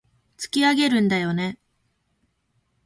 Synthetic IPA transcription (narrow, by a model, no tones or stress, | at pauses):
t͡sɨ̥kʲiaɡe̞ɾɯ̟̃nd̪ajo̞ne̞